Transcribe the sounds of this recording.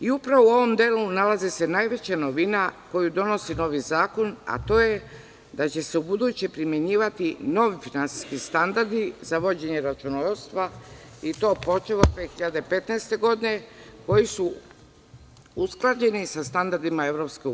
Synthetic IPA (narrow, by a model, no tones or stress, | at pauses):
iupɾaʋouo̞ʋo̞md̪eːlunalazese̞najʋe̞t͡ɕano̞ʋinako̞jud̪o̞no̞sino̞ʋizaːko̞na̰t̪o̞ːje | d̪at͡ɕe̞se̞ubud̪uːt͡ɕepɾimje̞ɲiːʋat̪ino̞ʋifinansi̥skist̪and̪aɾd̪izaʋo̞d͡ʑe̞ɲe̞ɾat͡ʃunost̪ʋait̪o̞ːpo̞t͡ʃelot̪ʋeːxiʎad̪epe̞t̪naest̪e̞ɡo̞d̪ine̞ko̞jisu | usklˠad͡ʑe̞nisast̪and̪aɾd̪imae̞ʋɾo̞pskeu